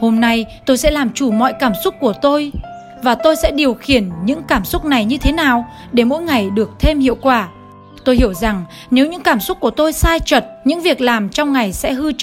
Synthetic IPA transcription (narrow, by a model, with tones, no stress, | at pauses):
ho˧mna˧jt̪o˧jsɛ̰˧˥laː˨˩mt͡ɕu˧˩mɔ̰˧˨jkaː˧˩msʊ˦˥k͡p̚ːu˧˩ət̪o˧j | vaː˨˩t̪o˧jsɛ̰˧˥ɗi˨˩əwxi˧˩ənɲɨ̰˧˥ŋkaː˧˩msʊ˦˥k͡p̚na˨˩jɲɨ˧t̪ʰe˨˦naː˨˩w | ɗe˧˩mo̰˧˥jŋa˨˩jɗɨ˨˩ək̚t̪ʰe˧mhḭ˧˨ə˨wkwaː˧˩ | t̪o˧jhi˧˩əwza˨˩ŋ | ne˨˦wɲɨ̰˧˥ŋkaː˧˩msʊ˦˥k͡p̚ku˧˩ət̪o˧jsaː˧jt͡ɕə˨˩t̚ɲɨ̰˧˥ŋvi˨˩ək̚laː˨˩mt͡ɕɔ˧wŋ͡mŋa˨˩jsɛ̰˧˥hɨ˧